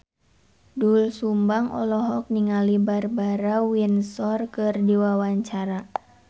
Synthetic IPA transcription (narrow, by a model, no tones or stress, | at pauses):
dulsumbaŋɔ̰lɔɦɔk̚niŋalibarbaɾawinsɔrkɨrdiwawaɲt͡ʃaɾa